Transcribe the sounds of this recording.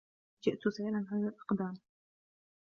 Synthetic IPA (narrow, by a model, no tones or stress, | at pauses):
d͡ʒɪʔt̪ʊsaiːlanʕaðalʔɑ̥qd̪aːm